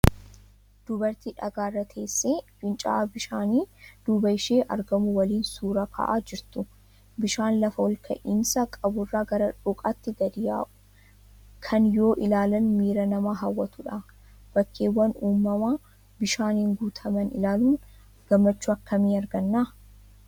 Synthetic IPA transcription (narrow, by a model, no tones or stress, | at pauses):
d̪̥ʊbɐɾt̪iːᶑɐɡaːrːɐt̪ʰe̞ːsːeːfɪnt͡ʃʼa̰bɪʃaːniːd̪̥uːbɐɪʃeːʔɐ̰ɾɡɐmʊwɐliːnsuːɾɐkʰɐ̰ːʔaːd͡ʒɪɾt̪ʊ | bɪʃaːnlɐfɐwɔlkʰɐ̰ʔɪnsɐkʼɐbʊrːaːɡɐɾɐᶑʊkʼɐt̪ːɪɡɐd̪ɪja̰ː | kʰɐnjo̞ːʔɪlaːlɐnmiːɾɐnɐmaːɦɐwːɐt̪ʊᶑɐ | b̥ɐkːeːwːɐnuːmːɐmaː | bɪʃaːnɪŋɡuːt̪ʰɐmɐnɪlaːluːn | ɡ̥ɐmːɐt͡ʃːuːɐkːɐmiːɐɾɡɐnːaː